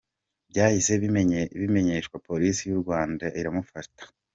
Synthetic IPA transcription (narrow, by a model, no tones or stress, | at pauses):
bjaːhise̞βime̞ɲe̞ːʃkwapo̞ɾisijuɾɡwaːndaʔiɾamufatḁ